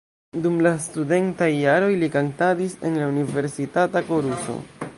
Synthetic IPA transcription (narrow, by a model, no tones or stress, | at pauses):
dumlastude̞ntajːaɾo̞jlikantadise̞̰nlaunive̞ɾsitatakoɾuso̰